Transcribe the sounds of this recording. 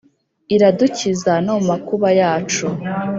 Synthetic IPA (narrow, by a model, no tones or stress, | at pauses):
iɾaducizanomakuβajaːt͡ʃu